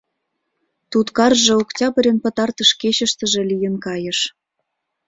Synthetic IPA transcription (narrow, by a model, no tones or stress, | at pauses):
t̪ut̪kɑrʒĕuktʲɑbə̆ɾʲenpə̆t̪ɑrt̪ə̆ʃkeɕə̆ʃt̪ə̆ʒĕlijə̆nkɑjə̆ʃ